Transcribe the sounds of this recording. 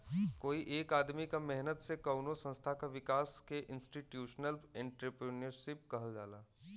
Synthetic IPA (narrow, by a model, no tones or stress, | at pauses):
koːiʔeːkaːd̪mikamɛɦnət̪sekɐʊnosɐ̃nst̪ʰakaʋɪkaːskeʔɪ̃nsʈiʈjuːʃnəlɛ̃ːɳʈɾəpɾənəɾʃɪp̚kɐɦəld͡ʒaːlaː